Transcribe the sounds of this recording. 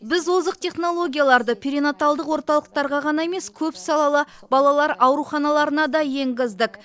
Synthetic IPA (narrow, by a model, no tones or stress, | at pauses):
bɪzwo̞zəq̚t̪ʰʲe̞χno̞lˠo̞ɡʲijalˠɑɾd̪əpʲʰiɾinot̪alˠd̪əqwo̞ɾt̪ɑlˠəq̚t̪ɑɾʁɑʁɑnɑe̞me̞skʲʰɵpsɑlˠɑlˠəbɑlˠɑlˠɑɾɑwɾuχɑnɑlˠɑɾənɑd̪ɑje̞ŋɡʲɪzd̪ɪk